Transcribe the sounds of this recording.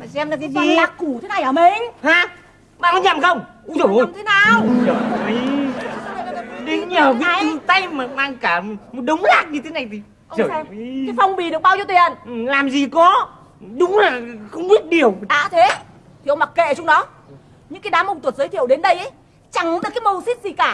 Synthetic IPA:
sɛ˧mna˨˧˩kːi˨˧laː˨˩k̚ku˧˩t̪ʰe˨˦na˨˩jʔəː˧˩mi˨˩ŋ̟haː˨˧ | ɓa̰ː˧˨kɔ˨˦ɲa˨˩mxə˧wŋ͡m | t̪ʰe˨˦naː˨˩wə˨˧˩ | ɗe˨˦nɲəː˨˩ki˨˦˧t̪a˧jmaː˨˩maː˧ŋkaː˧˩mo˨˩t̚ɗə˨˦wŋ͡mlaː˦˥k̚ɲɨ˧e˨˦na˨˩jt̪ʰi˨˩˧ | zəː˧˩˧fa˧wŋ͡mɓi˨˩ɗɨ˨˩ək̚ɓaː˧wzo˧˩t̪i˨˩ənʔlaː˨˩mzi˨˩kɔ˨˦ | ɗʊ˨˦ŋ͡mlaː˨˩xə˧wŋ͡mɓi˦˥ət̚ɗi˨˩əwaː˧˩˦t̪ʰe˨˦ | t̪ʰi˨˩˨ə˧˨wma˨˩kḛ˧˨t͡ɕɔ˧wŋ͡mɗɔ˨˦ | ɲɨ̰˧˥ŋkaː˨˦jɗaː˨˦mə˧wŋ͡mt̪wt̚zəː˨˦jt̪ʰi˧˨əwɗe˨˦nɗə˧jʔə˨˦ | t͡ɕa˧˩ŋ˦ɗə˨˩kaː˨˦jmo˧˩si˦˥t̚zi˨˩kaː˧˩

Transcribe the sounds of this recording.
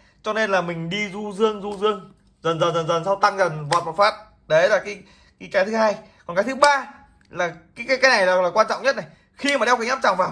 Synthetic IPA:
t͡ɕɔ˧ne˧nlaː˨˩mï˨˩ŋ̟ɗi˧zu˧zɨ˧əŋzu˧zɨ˧əŋ | zə˨˩nzə˨˩nzə˨˩nzə˨˩nsa˧wt̪a˧ŋzə˨˩nvɔ̰˨t̚ma˨˩faː˦˥t̚ | ɗə˨˦laː˨˩kaː˨˦j | kaː˨˦kaː˨˦jt̪ʰɨ˨˦haː˧jkɔ˨˩nkaː˨˦t̪ʰɨ˨˦ɓaː˧ | laː˨˩kaː˨˦jkaː˨˦kaː˨˦jna˨˩jlaː˨˩laː˨˩kwaː˧nt͡ɕɔ̰˧˨wŋ͡mɲə˦˥t̚na˨˩j | xi˧maː˨˩ɗɛ˧wka˨˧˦aː˦˥t͡ɕaː˨˩ŋvaː˨˩

